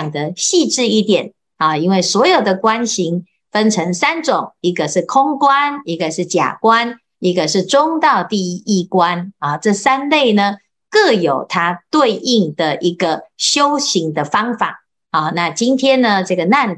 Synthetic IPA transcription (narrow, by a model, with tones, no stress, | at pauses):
ŋd̪ə˦ɕi˥˧ʈ͡ʂɻ̩˥˧i˥˩t̪jɛ˨˩˦n | ɔ˨˩i˥nwe˥˩ɪswɔ˧˥jo˨˩ʊd̪ə˨kwa˦˥nɕi˧˥ŋ | fə˦nʈ͡ʂʰə˧˥ŋsa˦˥nʈ͡ʂʊ˨˩˦ŋi˧˥ɡə˨ʂɻ̩˥˩kʰʊ˦˥ŋkwa˦ni˧˥ɡə˨ʂɻ̩˥˩t͡ɕja̰˨˩kwa˦n | i˧˥ɡə˨ʂɻ̩˥˩ʈ͡ʂʊ˦˥ŋt̪ɑ˥˧ʊt̪i˥˧i˥˩kwa˦nɔ˥˩ʈ͡ʂɤ˥˩sa˦˥nle˥˩ɪnə˩ | kɤ˥˩jo˨˩ʊt̪ʰa˦t̪we˥˧ɪʔi˥˧ŋd̪̥ə˨ʔi˧˥ɡə˨ɕjo˦˥ʊɕi˧˥ŋd̪ə˨fɑ˥ŋfa˨˩˦ | ɔ˥˩na˥˩t͡ɕi˦nt̪ʰjɛ˥nnə˨ʈ͡ʂɤ˥˩ɡə˩na˥˧n